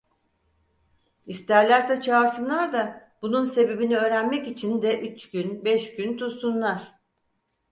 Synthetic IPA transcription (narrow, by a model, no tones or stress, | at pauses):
ist̪ʰæɾlʲæɾt̪ɛt͡ʃʰaːɾsɯnlˠaɾd̪ab̥ununse̞be̞biniø̞ːɾænmɛcit͡ʃʰind̪ɛʔyt͡ʃɟynbɛʃɟynt̪ʰuɾsunlˠaɾ̥